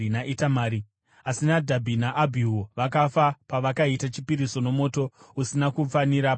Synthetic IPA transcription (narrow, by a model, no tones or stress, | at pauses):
naʔitamaːɾi | asinadʱabʱinaʔːbʱiwoʋak̬afapaʋakaitat͡ʃipiɾiso̞no̞mo̞ːto̞usinakufaniɾa